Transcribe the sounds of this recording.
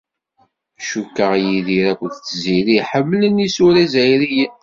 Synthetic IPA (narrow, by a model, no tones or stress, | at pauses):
ʃukːəʁjiðiɾækʷəðt͡sːziɾiħəmːlənisuɾæzæjɾijən